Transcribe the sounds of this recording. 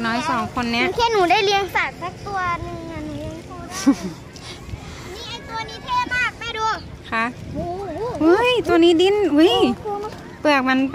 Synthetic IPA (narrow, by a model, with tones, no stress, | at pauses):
nɔː˦˥jsɔː˨˩˦ŋkʰo˧nːɛ˦˥˨ŋkʰe˧˥˩nuː˨˩˦daː˥˩jli˧əŋsaː˨˩t̪̚sa˦˥k̚t̪u˧ɐnɯ˧ŋːa˧nu˨˦ | niː˧˥˩ʔa˧˩jt̪u˧ɐ˧niː˦˥t̪ʰeː˧˩baː˧˩k̚pa˧˩jdu˧˩ | kʰa˦˥ʔ | ʔu˦˥jt̪u˧ɐniː˦˥di˧˥˩nʔu˦˥j | pɯ˨˩ək̚ma˧np